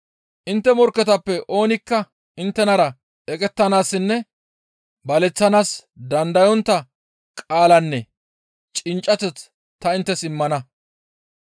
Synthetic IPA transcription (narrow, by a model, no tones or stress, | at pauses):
ʔɪnt̪ːɛmɔɾkːɛt̪ɐpːɛʔo̞ːnɪkːɐ | ɪnt̪ːɛnɐɾɐ | ɛkʼɛt̪ːɐnaːsːɪnːɛ | bɐlɛt͡sːɐnaːsd̪ɐnd̪ɐjɔnt̪ːɐ | kʼaːlɐnːɛ | t͡ʃʼɪnt͡ʃʼːɐt̪ɛt͡s | t̪ːɐɪnt̪ːɛsɪmːɐnɐ